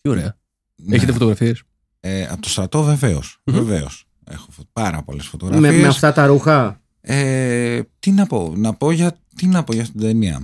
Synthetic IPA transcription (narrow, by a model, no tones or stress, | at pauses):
t̪ioɾeɐ | eçet̪efot̪oɣɾɐfies | eɐ̰t̪ost̪ɾɐt̪o̞ve̞ve̞osveve̞o̰s | e̞̰xofopɐɾɐ̰po̞̰le̞sfot̪o̞ɣɾɐmemeɐsft̪ɐt̪ɐɾuxɐ | e | t̪inɐpo̞nɐpo̞ʝɐ | t̪inɐpo̞ʝɐst̪id̪eniɐ̰